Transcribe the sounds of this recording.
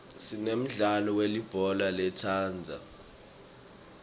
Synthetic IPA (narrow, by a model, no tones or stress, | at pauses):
sinem̩ɮalɔwelib̥ʱɔlalɛtʰaːnd͡zʱa̰